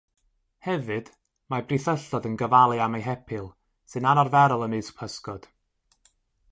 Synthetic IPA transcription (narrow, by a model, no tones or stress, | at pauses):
hɛvɨd̥ | mabriθəɬɔdənɡəvalˠɨamejɦɛpʰɪlˠ | sɨnanarvɛɾɔlˠəmɨːspʰəskɔd̥